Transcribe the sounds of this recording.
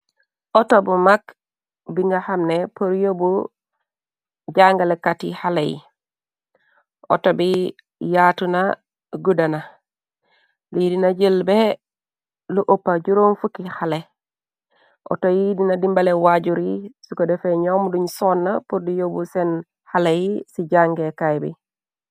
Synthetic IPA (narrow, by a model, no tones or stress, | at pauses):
otobumak | biŋɡahamnepuɾjobu | ɟaŋɡalekːatḭhalejḭ | o̰tobi | jatuna | ɡudana | lidinaɟelbe | luʔopːaɟuɾonfukihale | ʔo̰tojidinadimbalewaɟuɾisukodefeɲomduɲsonːapuɾdijobusen | halajisiɟaŋɡekajbḭ